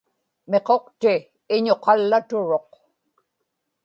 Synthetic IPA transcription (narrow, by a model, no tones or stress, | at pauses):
meqo̞qt̪ɪː | ɲoqɑlːat̪ʊɻo̞q